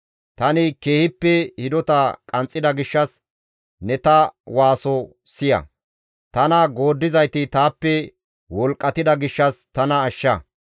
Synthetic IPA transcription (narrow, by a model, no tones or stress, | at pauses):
t̪ɐnɪke̞ːhɪpːɛhɪd̪ɔt̪ɐkʼɐnt͡sʼːɪd̪ɐɡɪʃːɐs | nɛt̪ɐwaːsɔ | sɪjɐ̰ | t̪ɐnɐɡo̞ːd̪ːɪzɐjt̪ɪt̪aːpːɛ | wɔlkʼːɐt̪ɪd̪ɐɡɪʃːɐst̪ɐnɐːʃːɐ